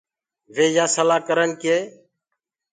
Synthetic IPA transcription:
ʋeːjaːsəlaːkəɾənkeː

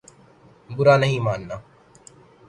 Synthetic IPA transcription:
bʊɾaːnəɦĩːmaːnːaː

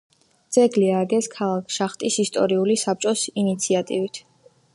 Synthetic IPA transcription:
d̪z̥ɛɡliaɡɛskʰalˠakʰʃaχt̪ʼisist̪ʼɔɾiulisap̚t͡ʃʼɔsinit̪sʰiat̪ʼivit̪ʰ

